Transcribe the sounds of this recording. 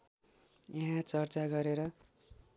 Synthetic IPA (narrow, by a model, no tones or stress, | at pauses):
jʌɦãt͡sʌrt͡saɡʌɾeɾʌ